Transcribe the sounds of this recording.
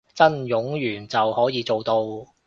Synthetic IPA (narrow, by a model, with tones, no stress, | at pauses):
t͡sɐ˥njʊ˨˥ŋjyː˨˩nt͡sɐ˨whɔː˨˥jiː˨˧t͡so˨wt̪o˧w